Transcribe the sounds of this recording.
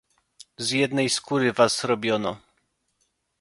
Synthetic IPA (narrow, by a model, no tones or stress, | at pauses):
zjɛd̪nɛjskuɾɘvazɾɔbʲjɔnɔ